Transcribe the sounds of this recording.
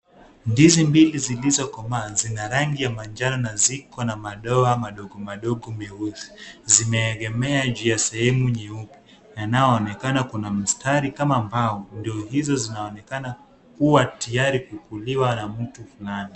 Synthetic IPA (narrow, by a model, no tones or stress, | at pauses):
ndizimbilizilizɔkɔmaːzinaɾaŋɡijamand͡ʒaɾɔnazikɔnamaɗɔamaɗɔɠɔmaɗɔɠɔmɛusi̥zimɛːɡɛmɛad͡ʒiasɛhɛmuɲɛupi | janajɔːnɛkanakunam̩staɾikamaːmbaɔndiɔhizɔzinaɔnɛkana | kuwatijaɾikukuliwanam̩tufulani